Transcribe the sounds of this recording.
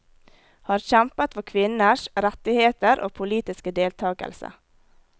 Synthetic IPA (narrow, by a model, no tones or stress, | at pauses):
hɑːɾçæmpət̪ʋɔkʰʋɪnəʃɾɛt̪ɪheːt̪əɾʔo̰ːpʰʊliːt̪ɪskəd̪eːlt̪ʰɑːɡə̰lsə̰